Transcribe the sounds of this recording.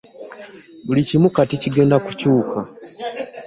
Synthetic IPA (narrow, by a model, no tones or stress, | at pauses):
bulicimukaticiɡe̞ːndakucuːka